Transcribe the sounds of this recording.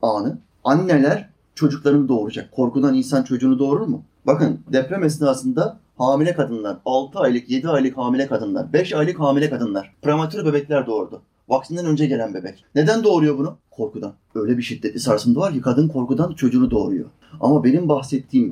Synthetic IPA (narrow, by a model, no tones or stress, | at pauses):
aːnɯ | anːelʲæɾ̥ | t͡ʃʰo̞d͡ʒuklˠaɾɯnɯd̪o̞ːɾud͡ʒakʰːo̞ɾkud̪aninsant͡ʃʰo̞d͡ʒuːnud̪o̞ːɾuɾmʊ | bakɯnd̪ɛpɾɛmɛs̬naːsɯnd̪a | haːmilʲɛkad̪ɯnlˠaɾalˠt̪ʰɯajlˠɯkje̞d̪iajlˠɯkhaːmilʲɛkʰad̪ɯnlˠa̰ɾbɛʃajlˠɯkhɦaːmilʲɛkʰad̪ɯnlˠaɾ̥pɾamat̪ʰyɾbe̞bɛclʲæɾd̪o̞ːɾud̪ʊ | vak̚t̪ʰɯnd̪anø̞nd͡ʒɛɟe̞lʲænbe̞bɛcne̞d̪ænd̪o̞ːɾujo̞bunukʰo̞ɾkʰud̪anø̞jlʲɛbiʃid̪ːɛt̪ʲːisaɾsɯnd̪avaɾcikʰad̪ɯnkʰo̞ɾkud̪ant͡ʃʰo̞d͡ʒuːnud̪o̞ːɾujo̞̰ | a̰mabe̞nimbaxsɛt̪ʰːiːm